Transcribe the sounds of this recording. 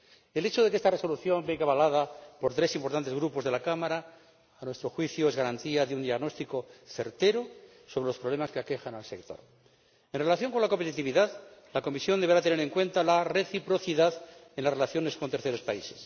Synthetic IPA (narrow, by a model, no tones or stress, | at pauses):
e̞le̞t͡ʃoð̞ekee̞st̪are̞so̞luθjo̞mbeɣaβalað̞apo̞ɾt̪ɾe̞simpo̞ɾt̪ant̪e̞zɣɾupo̞zðe̞lakamaɾaː | nwe̞st̪ɾo̞xwiθjoe̞zɣaɾant̪iaðeund̪iaɣno̞st̪ikoθe̞ɾt̪e̞ɾo | so̞βɾe̞lo̞spɾoβle̞maskeake̞xanalse̞k̚t̪o̞̰ɾ | e̞nre̞laθjo̞ŋko̞nlako̞mpet̪it̪iβiðaðlako̞misjo̞nd̪eɾat̪e̞ne̞ɾe̞ŋkwẽ̞nt̪alare̞θipɾo̞θiðaðe̞nlazre̞laθjo̞ne̞skont̪e̞ɾθe̞ɾo̞spaise̞s